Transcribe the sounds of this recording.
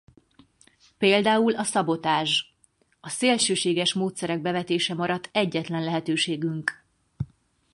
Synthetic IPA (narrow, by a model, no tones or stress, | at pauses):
peːld̪aːulɒsɒbo̞t̪aːʒ | ɒseːlʃøːʃeːɡɛʃmoːt̪sɛɾɛɡ̚bɛvɛt̪eːʃɛmɒɾɒt̪ːɛɟːɛt̪lɛnlɛɦɛt̪øːʃeːɡyŋk